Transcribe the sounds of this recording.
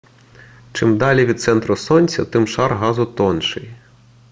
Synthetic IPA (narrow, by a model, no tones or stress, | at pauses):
t͡ʃɪmd̪ɑlʲiʋʲid̪̚t̪sɛnt̪ɾʊsɔnʲsʲɐt̪ɪmʃɑrɦɑzʊt̪ɔnʃɪj